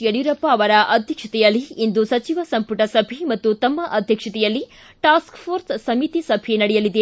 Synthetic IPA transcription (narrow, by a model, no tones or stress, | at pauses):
jɐɽjuɾɐpːɐːʋɐɾɐʔɐd̪ʱjɐkʂɐt̪ɛjɐlːiind̪usɐt͡ʃiʋɐsɐmpuʈɐsɐbʱimɐt̪ːut̪ɐmːɐʔɐd̪ʱjɐkʂɐt̪ɛjɐlːi | ʈaːskfʰoːɾssɐmit̪isɐbʱenɐɽɛjɐlid̪e